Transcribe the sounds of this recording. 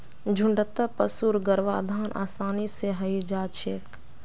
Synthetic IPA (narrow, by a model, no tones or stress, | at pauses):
d͡ʒʱʊɳɖət̪ːəpəsuɾɡəɾʋa̰ːd̪ʱaːnʔa̰ːsaːniseɦəid͡ʒaːt͡ʃʰek